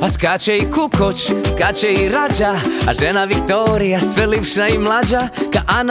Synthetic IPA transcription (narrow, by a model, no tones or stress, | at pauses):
askat͡ʃɛikukʰot͡ʃskat͡ʃɛiɾad͡ʒaa̰ʒɛnaʋikt̪oːɾijasʋɛlipʃnaimlad͡ʒakaʔan